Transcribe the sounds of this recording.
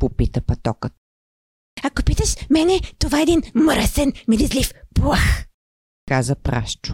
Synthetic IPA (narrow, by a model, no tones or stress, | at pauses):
popit̪əpɐt̪ɔkə | ɐkopit̪əʃmɛnɛt̪ovaɛd̪inmɾəsɛnmilizlifplˠax | kazəpɾa̰ʃt͡ʃʊ̥